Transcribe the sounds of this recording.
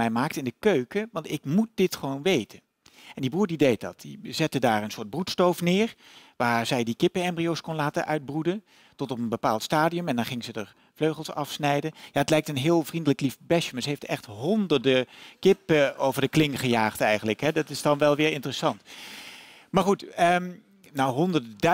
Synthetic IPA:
ɛjmaːk̚tɪndəkøɥkəʋɑntɪkmut̚d̥ɪtχəʋownʋejtən | ɛndibuːɹdidejt̚dɑ̰t̚d̥izɛtədaːɹənsʊːɹd̚brutstowfnɪːɹʋaːɹz̥ɛjdikɪpəɛmbriowskɔnlaːtənʔœ̰ɥd̚brudən | tɔtɔpənbəpaːlˠtstaːdiɵmɛndɑnχɪŋzədəɹ | vløɥχəlˠsɑfsnɛjdənjaːətlɛjk̚tənɦɪːlˠvrindələklifbɛʃəmaɹsəɦeftɛχtɦɔndəɹdəkɪpəowvəɹdəklɪŋχəjaːχtɛjχənləkɦɛdɑtɪsdɑnʋɛlˠʋɪːɹɪntərəsɑnt | maːɹχutə | nawɦɔndəɹdəd

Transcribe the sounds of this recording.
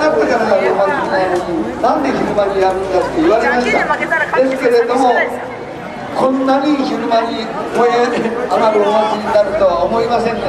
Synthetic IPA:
at̪ːek̪anaɡaçɯɾɯmaɾanãnd̪e̞çiɾɯmaɲijaɾɯnkḁt̪o̞iβaɾe̞maɕɨ̥t̪ad̪e̞sɨ̥ke̞ɾe̞d̪o̞mo̞ | kʰõ̞nːaɲ̟içɯɾɯmaɲi | koẽamaɾɯomokʲiɲinaɾɯ̟t̪o̞βaomo̞imasẽ̞nː

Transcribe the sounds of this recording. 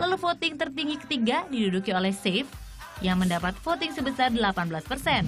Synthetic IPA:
lalufot̪ɪŋt̪ərt̪iŋɡikə̥t̪iɡadidudukiolɛhsef | jaŋməndapat̪̚fot̪ɪŋsəbəsardəlapanbəlaspərsɛn

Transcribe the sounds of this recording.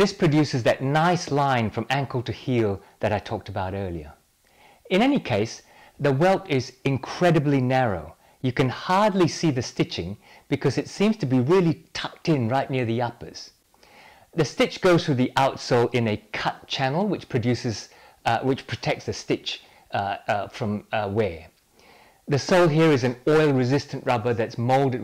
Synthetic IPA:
ðɪspʰɹ̥ɨdʉsɨzðɨtⁿnaɪslãɪ̃nfɹʌ̃mæ̃ŋkəl̩ˠtɨhilˠðɨɾaɪtʰɔk̚təbaʊɾɜ˞lˠiə̰˞ | ɨ̃ñɛnikʰeɪs | ðəwɛlˠtɪzɨ̃nkʰɹ̥ɛɾɨblinɛɹo̰ʊ | jɨkɨ̃nhɑɹdˡlisiðɨstɪt͡ʃɪ̰̃ŋ | b̥ɨkʰʌzɨtsĩmz̥tʰɨbiɹɪlˠitʰʌk̚tɪ̃nɹaɪʔⁿnɪɹðiʌpə̰˞z̥ | ðɨstɪt͡ʃɡ̥oʊz̥θɨðiʔaʊtsoʊlˠʔɪ̃nɨkʰʌt̚t͡ʃʰænl̩ˠwɨt͡ʃpʰɹ̥ɨdʉsɨz̥ | wɨt͡ʃpʰɹ̥ɨtʰɛk̚tsðɨstɪt͡ʃ | fɹʌ̃mwɛ | ðɨsoʊlˠɦiɹɨzɨ̃nɔɪlˠɹɨzɪstɨ̃nʔɹʌbə˞ðɨtsmoʊlˠdɨ

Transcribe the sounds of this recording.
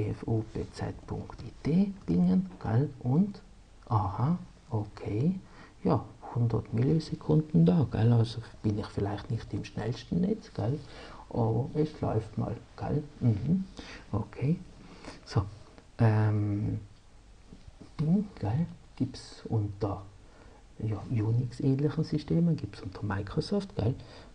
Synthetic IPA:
eɛfuːb̥ḛːt͡sɛ̰tpʰʊ̰ŋktiːtʰeːb̥ɪŋənɡ̥alʔʊnt | ʔaːha | okʰeː | jɑːhʊndɐtmilisekʰʊndn̩dɑːɡ̥ɛ̰lɑlsob̥ɪnɪχfɪlaɪχtnɪχtɪmʃnɛ̰lstn̩nɛt͡sɡ̥ɛlʔɑːbɐɛslɔ̰ʏftmɑ̰lɡ̥ɛ̰lm̩hm̩ʔokʰeː | soʔɛm | iŋɡ̥ɛlɡ̥iːpsʊntəʁ | jɑjuːniksɛːnlɪχn̩systeːmənɡ̥iːpsʊntʰəʁmaɪkʁosɔftɡ̥al

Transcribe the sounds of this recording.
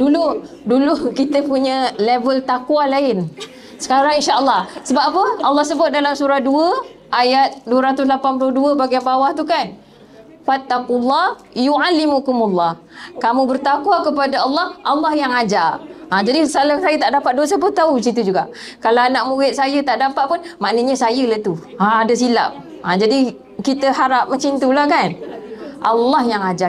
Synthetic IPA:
dulu | dulukit̪əpuɲə̃levəlt̪akwalaɪn | sə̥kaɾaŋinʃaʔəlːɑhsəbapapəalːɑhsəbʊt̪̚dalamsuɾahduəʔajat̪̚duəɾat̪ʊs̬lapanpulʊhduəbaɡabawaht̪ukan | fat̪ːaqulːɑh | juʕalːimukumulːɑh | kamũbərt̪akwakəpadaɑlːɑhʔalːɑhjaŋad͡ʒaad͡ʒadisalasajət̪aʔdapat̪̚dosəp̬ʊnt̪aut͡ʃint̪ud͡ʒuɡaʔ | kalawanaʔmuɾɪt̪̚sajət̪aʔdampaʔ̪̚pʊnmaʔnəɲəsajəlat̪u | aadəs̬ila̰p̚ | ad͡ʒadi | kit̪əɦaɾap̚məɲt͡ʃint̪ulahkanʔalːɑhjaŋad͡ʒa

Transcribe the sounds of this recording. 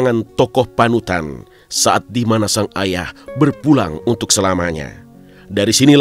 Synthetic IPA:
ŋant̪ɔkɔhpanut̪a̰n | saʔat̪̚dimanasaŋaja̰hbərpula̰ŋunt̪ʊk̚səlamaɲa̰ | daɾisinil

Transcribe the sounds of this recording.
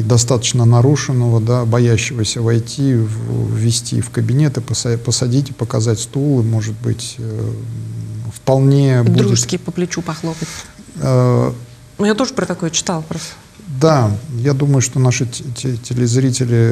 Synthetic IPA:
d̪ɐst̪at̪ə̥t͡ɕnənɐɾuʂɨnːəvəd̪abɐjæɕːɪvəsʲəvɐjtʲʰivvːʲɪsʲtʲḭfkəbʲɪnʲe̞t̪ɨpəspəsɐdʲitʲɪ̥pəkɐzatʲst̪ulˠɨmo̞ʐɨt̪̚bɨ̰tʲ | fpɐlˠnʲedbud̪ɾudʲɪʐɨskʲɪpəplʲɪt͡ɕupɐxlˠopətʲə | nʊjat̪o̞ʐəpɾət̪ɐkojət͡ɕɪ̥t̪alˠpɾost̪ə | d̪ajad̪uməjʊʂt̪o̞naʂɨtʲɪlʲɪzɾʲitʲɪlʲɪ

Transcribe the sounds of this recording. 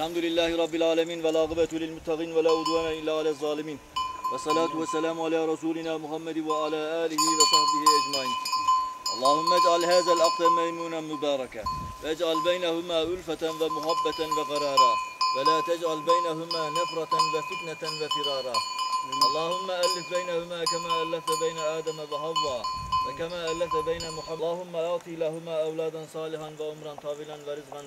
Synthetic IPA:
alħamd̪ʊlɪlːaːhɪɾˤɑbːɪlʕaːlamiːnwalʔɑɣɪbat̪lɪlmʊt̪ːaqiːnwalaːʕʊd̪ˤwaːnaːʔɪlːaːʕalaːzˤːɑːlɪmiːnwɑsˤːɑlaːt̪ʊwasːalaːmʕalaːɾˤɑsuːlɪnaːmʊħamːad̪waʕalaːʔaːlɪhɪwɑsˤɑɾˤfɪhɪʔad͡ʒmaʕiːnʔɑlˤːɑːhʊmːaad͡ʒʕalhaːðalʔɑqd̪ˤamajmuːnamʊbɑːɾˤɑkaʔad͡ʒʕalbajnahʊmaːʔʊlfat̪anwamʊħabːat̪anwɑɣɑɾˤɑːɾˤɑːwalaːt̪ad͡ʒʕalbajnaɦʊmaːnafɾˤɑt̪anwafɪt̪nanwafɪɾɑːɾˤɑːʔɑlˤːɑːhʊmːaʔalːɪfbajnahʊmaːkamaːʔalːafabajnaʔaːd̪amabɪħɑðˤːɑːwakamaːʔalːafabajnamʊħalˤːɑːhʊmːaʔɑʕt̪ˤilaɦʊmaːʔawlaːd̪ansˤɑːlɪħanwaʕʊmɾˤɑnt̪ˤɑːwɪlanwaɾɪzqɑn

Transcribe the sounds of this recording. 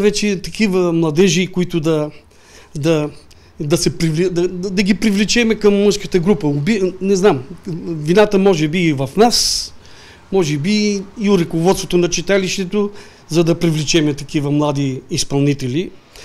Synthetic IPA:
vɛt͡ʃɛt̪ɐkivəmlˠɐd̪ɛʒikʊit̪ʊd̪ɐ | d̪ɐ | d̪ɐsɛpɾivld̪ɐd̪ɐɡipɾivlɛt͡ʃɛmɛkɐmːɤʃkət̪əɡɾupəʊbinɛznamvinat̪əmɔʒɛbivɐfnas | mɔʒɛbiːʊɾɐkovɔt̪sot̪onɐt͡ʃit̪aliʃt̪ɛt̪o | zɐd̪ɐpɾivlɛt͡ʃɛmɛt̪ɐkivɐmlˠad̪iːspɐlˠnit̪ɛli

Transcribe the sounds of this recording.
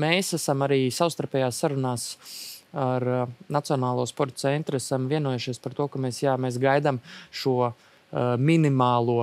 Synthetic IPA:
meːsæsamaɾiːsawst̪aɾpʲɛːjaːsːaɾunaːs | aɾnat̪siɔnaːlˠuɔspɔɾt̪t̪sɛnt̪ɾasamviɛnuɔjuʃiɛspaɾt̪uɔkameːsjaːmeːs̬ɡajd̪amʃuɔ | mʲinimaːlˠuɔ

